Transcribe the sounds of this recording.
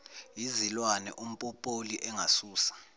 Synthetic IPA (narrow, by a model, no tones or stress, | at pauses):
jizilwanɛ̰ʔum̩pʼɔpʼoliʔɛŋasuːsḁ